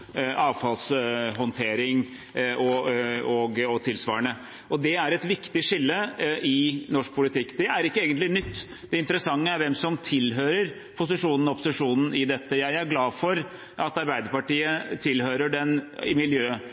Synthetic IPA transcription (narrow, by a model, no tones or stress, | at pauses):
ʔɑːʋfɑlsɦɔnt̪ʰeːɾɪŋ | ɔɔɡɔt̪ʰɪlsʋɑ̰ːəɳə | ʔɔd̪ɛæɾɛt̪ʋɪkt̪ɪʂɪlːəʔɪnɔʂk̚pʰʊlɪt̪ʰɪkːd̪̥ɛæɾɪkːəeːɡənt̪lɪnʏt̪ː | d̪̥ɛɪnt̪əɾəsɑŋːəæɾʋɛmsɔmt̪ʰɪlɦøːɾəɾ | pʰʊsɪʂuːnn̩ɔɔpʊsɪʂuːnn̩ɪd̪ɛt̪ːəjæɪæɾɡlɑːfɔɾ | ʔɑt̪ɑɾbæɪd̪əɾpɑʈiːət̪ʰɪlhøːɾəɖɛnɪmɪljøː